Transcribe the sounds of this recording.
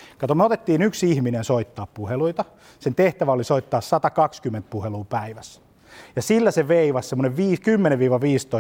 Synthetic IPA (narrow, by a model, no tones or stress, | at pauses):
kɑt̪omeot̪et̪ːiːnyksihminensoit̪ːɑːppuheluit̪ɑ | sent̪eht̪æʋæolisoit̪ːɑːssɑt̪ɑkɑkskymːent̪̚puheluːpæiʋæs | jɑsilːæseʋeiʋɑssemːoneʋʋiːkymːeneʋʋiːʋɑʋiːst̪oi